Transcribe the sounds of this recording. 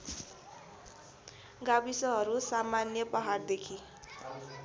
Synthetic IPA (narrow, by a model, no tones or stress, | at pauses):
ɡabisʌɦʌɾusamanjʌpʌɦard̪ekʰi